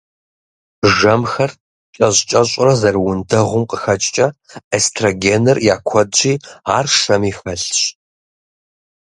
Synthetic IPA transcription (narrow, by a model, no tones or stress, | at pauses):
ʒɐmxɐr | ɕʼɐɕʼt͡ʃʼɐɕʼʊrɐzɐrwʊndʰɐʁʷʊmqəxɐt͡ʃʼt͡ʃʼɐestʰroɡeːnɨrjaːkʷʰɔdd͡ʒiːaːrʂɐmiːxɐɬɕ